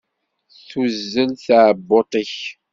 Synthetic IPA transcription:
θuzːənθaːbːot̪ˤəç

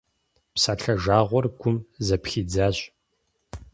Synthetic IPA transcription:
psaːɬʰɐʒaːʁʷɔrɡʷʊmzɐpxiːd͡zaːɕ

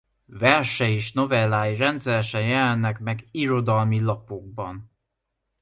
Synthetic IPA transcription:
vɛrʃɛeːʃno̞vɛlːaːjirɛnt̪sɛɾɛʃɛnjɛlɛnːɛkmɛɡiɾo̞d̪ɒlmilɒpo̞ɡ̚bɒn

